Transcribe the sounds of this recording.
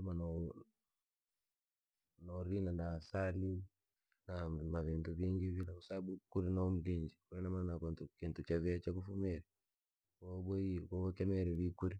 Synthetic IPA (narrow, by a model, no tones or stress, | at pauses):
namanɔ | nɔɾinanasali | namaβintuβiːŋɡiβilakusabukuɾinam̩ɡiɲd͡ʒikuɾinamanakontukintut͡ʃaβiat͡ʃakufumɛɾɛ | kɔɓɔikɔbɔkɛmɛɾɛβikuɾi